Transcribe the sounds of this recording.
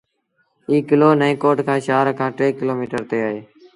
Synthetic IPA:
iːkɪloːnəĩːkoːʈkʰãːʃaːɾkʰãːʈɾeːkɪloːmiːʈəɾt̪eːaːɦeː

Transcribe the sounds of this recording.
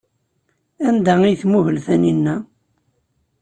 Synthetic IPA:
ænd̪æiθmuhəlθæninːæ

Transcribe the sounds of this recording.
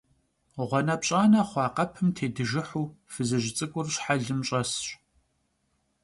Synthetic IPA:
ʁʷɔnɐpɕʼaːnɐχʷɑːqɐpʰɨmtʰeːdɨʒɪħuːfɨzɨʒɪt͡sʼɨkʷʼʊrɕħaɮɨmɕʼɐsɕ

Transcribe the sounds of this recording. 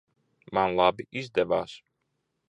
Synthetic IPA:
manlˠaːbiʔiʃd̪ɛva̰ːʃ

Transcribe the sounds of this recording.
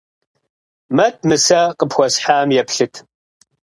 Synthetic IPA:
mɐt̚ʰmɨsɐqʼəpxʷɔsħaːmjɛpɬɨtʰ

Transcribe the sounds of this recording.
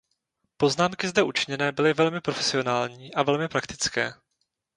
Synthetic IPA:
po̞znaːmkɪzdɛʔut͡ʃɪɲɛnɛːbɪlɪvɛlmɪpɾofɛ̥sɪo̞naːlɲiːʔavɛlmɪpɾakt̪ɪ̥t͡skɛː

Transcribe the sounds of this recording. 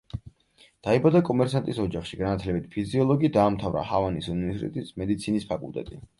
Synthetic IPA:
d̪̥aibad̪akʼɔmɛɾsant̪ʼisɔd͡ʒaχʃiɡanat̪ʰlɛbit̪ʰpʰiziɔlˠɔɡid̪aːmt̪ʰavɾa̰havanisunivɛɾsit̪ʼɛ̰t̪ʼismɛd̪it̪sʰinispʰakʼulˠt̪ʼɛ̰t̪ʼi

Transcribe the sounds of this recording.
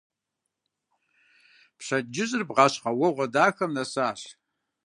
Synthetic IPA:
pɕɐd͡ʒɪʑʼɨrbʁɑɕqɐwɐʁʷɐdaːxɐmnɐsaːɬ

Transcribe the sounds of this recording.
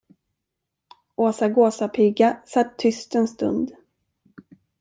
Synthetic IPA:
ʔoːsaɡoːsapʰɪɡːasat̪ʰːʏst̪ɛnst̪ɵ̰nd̪

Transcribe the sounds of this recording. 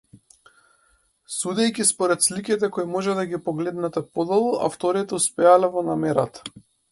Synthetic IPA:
sud̪ɛjkʲispɔɾɛt̪slikit̪ɛkɔimɔʒɛd̪aɡʲipɔɡlɛd̪nat̪ɛpɔd̪ɔlˠuʔa̰ft̪ɔɾit̪ɛuspɛalɛvɔnamɛɾat̪ḁ

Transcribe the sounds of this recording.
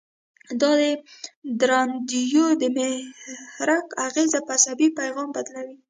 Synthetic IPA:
d̪ɑd̪əd̪ɾamd̪ijod̪əmehhɾakaɣezapasabipajɣɑmbad̪lawi

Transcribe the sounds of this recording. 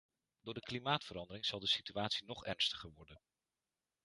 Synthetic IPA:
d̥ʊːɹdəklimaːtfəɾɑndəɾɪŋz̥ɑlˠdəsityaːtsinɔχɛɹnstəχəɹʋɔɹdən

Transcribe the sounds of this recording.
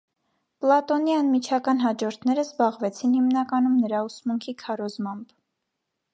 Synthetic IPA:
plɑt̪ɔniɑnmit͡ʃʰɑkɑn̪ɦɑd͡ʒɔɾt̪ʰnɛɾəzbɑʁvɛt͡sʰinhimnɑkɑnumnəɾɑusmuŋkʰikʰɑɾɔzmɑmb̥

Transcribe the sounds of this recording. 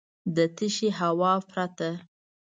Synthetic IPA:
d̪ət̪ɪʃeɦawɑpɾat̪a

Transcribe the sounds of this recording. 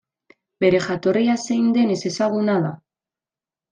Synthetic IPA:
be̞ɾe̞xat̪oriasejnd̪e̞nesesaɣunaða

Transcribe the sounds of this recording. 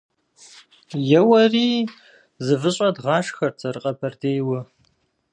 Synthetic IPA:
jɛwɐriː | zɨvɨɕʼɐdʁɑːʂxɐrt͡sʰʼɐrɨqʼɐpʰɐrdʰeːjwɐ

